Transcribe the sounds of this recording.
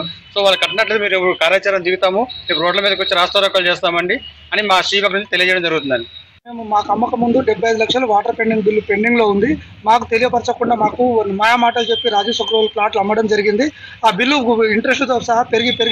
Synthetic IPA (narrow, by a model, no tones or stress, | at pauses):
so̞ːʋaːlɐkɐʈːɐnɐʈlɐt̪emiːɾeʋɐɾukaːɾjaːt͡ʃaːɾɐmd̪iːɡut̪aːmuepuɾoːɖlɐmiːd̪ɐkʋot͡ʃːiɾaːst̪ɐːɾɐkːaːlt͡ʃeːst̪aːmɐɳɖi | ɐnimaːʂiːʋaknunt͡ʃit̪elijɐd͡ʒɛjɐɽɐmd͡ʒɐɾuɡut̪̬und̪ɐnɖi | me̞ːmumaːkɐmːɐkɐmund̪uɖebʱːɐjɐjid̪ulɐkʂɐlɐʋaːʈɐɾpe̞ɳɖiŋɡbilːupe̞ɳɖiŋɡlo̞ːund̪i | maːkut̪e̞lijɐpɐɾt͡ʃɐkuɳɖaːmaːkunmɐjaːmaːʈɐlt͡ʃe̞pːiɾaːd͡ʒiːsɐkɾɐʋɐlplaːʈlɐmːɐɽɐmd͡ʒɐɾiɡind̪iaːbilːuiɳʈɾesʈt̪oːsɐɦɐpe̞ɾiɡipeɾ